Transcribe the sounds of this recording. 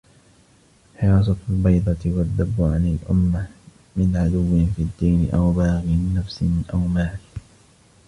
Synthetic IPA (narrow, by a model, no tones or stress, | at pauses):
ħɪɾɑːs̬ˤɑt̪lbɑjd̪ˤɑt̪ɪwad̪ːabːʊʕanɪlʔʊ̰mːa | mɪnʕad̪ʊwːɪfiːd̪ːiːnɪʔawbɑːɣɪnːafsɪnʔawmaːl